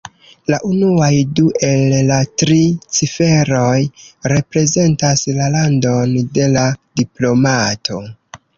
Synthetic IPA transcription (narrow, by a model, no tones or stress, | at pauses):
laʔunuajduʔe̞lːatɾit͡sife̞ɾo̞jɾe̞pɾe̞ze̞ntaslalando̞nde̞ladiplo̞matʰo̞